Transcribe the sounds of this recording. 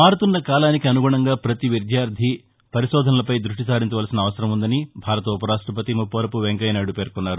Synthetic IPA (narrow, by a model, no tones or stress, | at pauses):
maːɾt̪unːɐkaːlaːnikiɐnuɡuːɳɐŋɡaːpɾɐt̪iʋid̪jaːɾd̪ʱi | pɐɾiʃɔːd̪ʱɐnɐlɐpɐjd̪ɾuʂʈisaːɾiɲt͡ʃɐʋaːlɐsinɐːʋɐsɐɾɐmund̪ɐnibʱaːɾɐt̪ɐupɐɾaːʂʈɾɐp̬ɐt̪imupːoːɾɐpuʋeŋkɐjnaːɽupe̞ːɾkunːaːɾu